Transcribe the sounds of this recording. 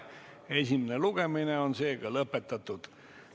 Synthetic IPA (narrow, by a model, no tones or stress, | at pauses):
esʲimineluɡ̥emineonseːɡ̥ɑlɤpːet̪ˑːɑt̪ˑːud̪̥